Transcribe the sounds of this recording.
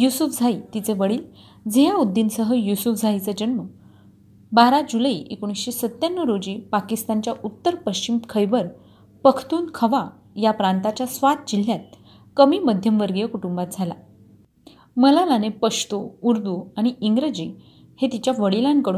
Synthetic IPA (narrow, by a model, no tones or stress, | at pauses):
jusufd͡zʱait̪it͡seʋəɽiːl | d͡zejaud̪ːinsəɦəjusufd͡zʱajt͡sed͡ʑənmə | baɾad͡ʑuləiːʔekoɽ̃isɕesət̪janːəɾod͡ʑiːpakist̪ant͡ɕjaʔut̪ːəɾpəɕt͡ɕimkʰəjʋəɾ | pəkʰt̪uːnkʰəʋa | japɾant̪at͡ɕjasʋat̪̚d͡ʑil̤jat̪̚ | kəmiːməd̪ʱjəmʋəɾɡijəkuʈumbat̪̚d͡zʱala̰ | məlalanepəʂʈ̪ouɾd̪uaɽ̃iiŋɡɾəd͡ʑiː | het̪it͡ɕjaʋəɽilankəɽuːn